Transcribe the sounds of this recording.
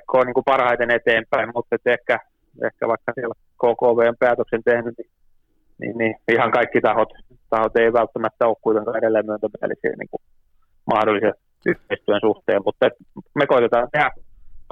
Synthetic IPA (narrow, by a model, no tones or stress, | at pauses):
kʰːoːniːŋkupɑrhɑit̪enet̪eːmpæimmut̪ːet̪ehkæ | ḛhkæ̰ʋɑikːɑsiɛl | koːkoːʋeːmpeæːt̪øksent̪ehnyni | nḭnniihɑŋkɑikːit̪ɑhot̪ | t̪ɑhot̪eiʋælt̪ːæmæt̪ːæoːkkuit̪eŋkɑːeɾelːæimmyønt̪æmiæ̰lḭsḭːnḭŋku | mɑhdolːˑiset̪ | yht̪eist̪yensuht̪eːmmut̪ːet̪ | mekoit̪et̪ɑːnseæ